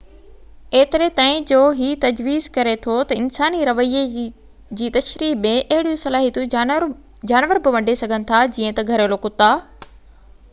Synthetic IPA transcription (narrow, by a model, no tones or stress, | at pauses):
eːt̪ɪɾet̪aːɪ̃d͡ʑoːɦit̪ɐd͡ʑʋiːzkɐɾet̪ʰot̪ɐɪnsaːniɾɐʋəie | d͡ʑiːt̪ɐʃɾiːɦmẽʔɐɦɪɽijũsɐlaːɦit̪ũ | d͡ʑaːnʋəɾbɪʋɐ̃ɳɖʱesɐɡʱənɪ̆t̪ʰad͡ʑiːə̃t̪ɐɡʱɐɾolokʊt̪aː